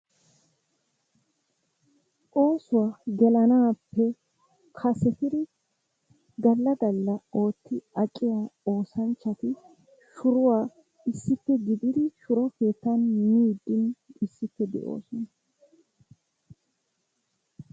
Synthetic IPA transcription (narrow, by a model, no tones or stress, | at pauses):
ʔo̞ːsʊwaɡɛlɐnaːpːɛ | kʰɐsɛt̪ɪd̪ɪ | ɡ̪ɐlːɐd̪ɐlːɐo̞ːt̪ːɪɐt͡ʃʼːɪjaːo̞ːsɐnt͡ʃːɐt̪ɪ | ʃʊɾʊwaː | ɪsːɪpːɛɡɪd̪ɪd̪ɪʃʊɾɔke̞ːt̪ːɐnmiːd̪ːɪnɪsːɪpːɛd̪ɛ̰ʔo̞̰ːsɔnɐ